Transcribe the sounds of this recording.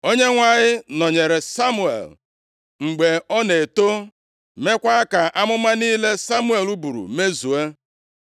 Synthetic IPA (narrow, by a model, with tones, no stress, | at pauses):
o˦ɲe˦ŋʷa˦ɲɪ˦nɔ˨ɲe˨ɾe˨sa˦mu˦˨ḛ˨l | ŋ͡m̩˨ɡ͡be˨ɔ˦ne˨to˦ | me˦kʷa˦a˦ka˨ʔa˦mʊ˦ma˦niː˦le˦sa˦mu˦e˨lu˦bu˨ɾṵ˨me˦zu˨e˦